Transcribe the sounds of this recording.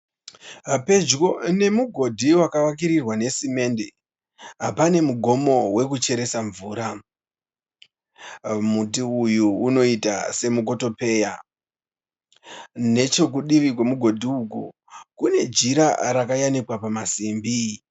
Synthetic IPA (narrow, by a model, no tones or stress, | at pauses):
ɦape̞d͡ʒko̞ne̞muɡʱo̞dʱiwakawak̬iɾirwane̞sime̞nde̞ | ɦapane̞muɡʱo̞mo̞we̞kut͡ʃe̞ɾe̞saɱvuːɾa | mutiujuːno̞ita̰se̞muk̬o̞to̞pe̞ːja | ne̞t͡ʃo̞k̬uɗiʋikwe̞muɡʱo̞dʱiuku | kune̞d͡ʒiɾaɾakajanikwapamasimbi